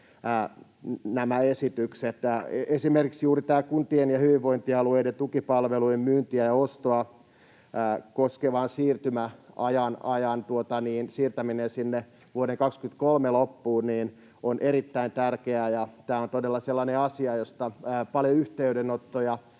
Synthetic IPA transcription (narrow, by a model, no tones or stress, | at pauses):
næmæesit̪ykset̪esimerkiksjuːrit̪æːkunt̪ienjɑhyʋiʋːoint̪iɑlueident̪ukipɑlʋeluimmyːnt̪iæjɑost̪oɑ | koskeʋɑnsiːrt̪ymæɑjɑnɑjɑnt̪uot̪ɑniːnsiːrt̪æminensinːe | ʋuoɾeŋkɑkskyt̪kolmelopːuːniːn | onʔeɾit̪ːæint̪ærkeæjɑt̪æːont̪odelːɑselːɑneɑsiɑjost̪ɑːpɑljoyht̪eydenot̪ːojɑ